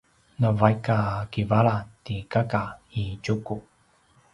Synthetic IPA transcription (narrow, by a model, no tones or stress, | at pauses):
nəvajkakivaɭatikakait͡ʃuku